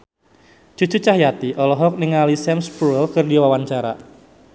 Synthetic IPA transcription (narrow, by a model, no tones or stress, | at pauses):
t͡ʃu̥t͡ʃut͡ʃahjat̪iʔɔlɔɦɔk̚niŋalisɛmspuɛlkɨrdiwawaɲt͡ʃaɾa̰